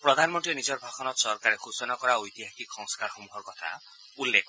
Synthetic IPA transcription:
pɾɔd̪ʱanmɔnʈiɾenid͡ʒɔɾbʱaxɔnɔɾsɔɾkaɾexusɔnakɔɾaojt̪iɦakiksɔŋskaɾxɔmuɦɔɾkɔt̪ʰa̰ | ulːekɔ

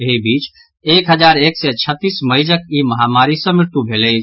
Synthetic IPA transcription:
eɦibiːt͡ʃ | ekɦəd͡ʒaɾeksɛt͡ʃʰət̪ːisməɦid͡ʒəkiməɦamaɾisə̃mɪɾt̪ubʱele

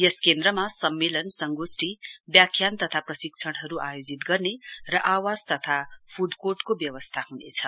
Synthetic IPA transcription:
jʌskend̪rʌmasʌmːelʌnsʌŋɡosʈibjakʰjant̪ʌt̪ʰaprʌsikt͡sʰʌɽ̃ɦʌɾuʔajod͡zit̪ɡʌrnerʌʔawad͡zt̪ʌt̪ʰapʰuɖkorʈkobjʌwʌst̪ʰaɦunḛt͡sʰʌ

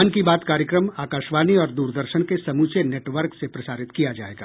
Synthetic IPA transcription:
nkibaːt̪kaːɾjəkɾəmaːkaːʃʋaːniɔːɾd̪uːɾd̪əɾʃənkesɐmuːt͡ʃeneːʈʋəɾksepɾɐsaːɾɪt̪kijad͡ʒa̰ːḛːɡaː

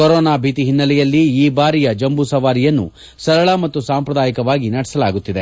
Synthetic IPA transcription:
kɔɾɔːnaːbʱiːt̪iɦinːɐlɛjɐlːiiːbaːɾijɐd͡ʒɐmbusɐʋaːɾijɐnːṵ | sɐɾɐɭɐmɐt̪ːusaːmpɾɐd̪aːjikɐʋaːɡinɐɽɛ̥sɐlaːɡut̪ːid̪e̞

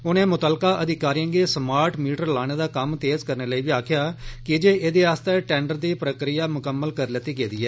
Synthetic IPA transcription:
ʊnẽːmʊt̪əːlkaːʔəd̪ɪkaːɾiːjãːŋɡeːsmaːɾʈmiːʈəɾlaːɽ̃eːd̪aːkəmt̪eːzkəɾneːləiːʋiːaːkʰjaːkɪd͡ʒeːʔeːd̪eːaːst̪eːʈɛ̃ːɳɖəɾd̪iːpɾəkɾɪjaːmʊkəmːəlkəɾlɪt̪iːɡeːd̪iːɛː

